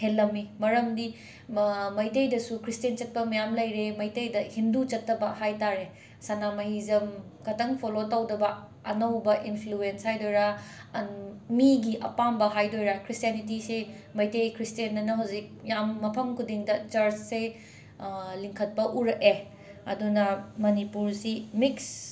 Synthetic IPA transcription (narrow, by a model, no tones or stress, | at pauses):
helːɐmːimɐɾɐmdi | mɐjtejdɐsukɾistent͡ʃɐt̚pɐmɐjamlɐjɾemɐjtejdɐhindut͡ʃɐtːɐbɐhajtaɾe | sanamɐɦizɐmkɐtɐŋpʰolotawdɐbɐ | ɐnɐwbɐʔinpʰluenshajdojɾa | miɡiʔɐ̰pambɐɦajdojɾakɾistijanitise | mɐjtejkɾistienːɐnɐɦawzik̚jamːɐpʰɐmkʰudiŋdɐt͡ʃɐɾt͡ʃse | liŋkʰɐt̚pɐʔuɾɐke | ɐ̰dunɐmɐnipuɾsimiks